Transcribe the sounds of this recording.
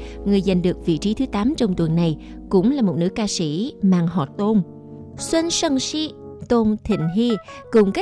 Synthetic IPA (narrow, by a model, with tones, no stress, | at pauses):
ŋɨ˨˩əjza˨˩jŋ̟ɗɨ˨˩ək̚vḭ˧˨t͡ɕi˨˦t̪ʰɨ˨˦t̪aː˨˦mt͡ɕɔ˧wŋ͡mt̪wə˨˩nːa˨˩j | kʊ̰˧˥ŋ͡mlaː˨˩mo˨˩t̚nɨ̰˧˥əkaː˧sḭ˧˥maː˨˩ŋɦɔ˨˩t̚t̪o˧n | swə˧nsə˧ŋsi˧ | t̪o˧nt̪ʰḭ˧˨˩ŋ̟ɦi˧ | kʊ˨˩ŋ͡mka˦˥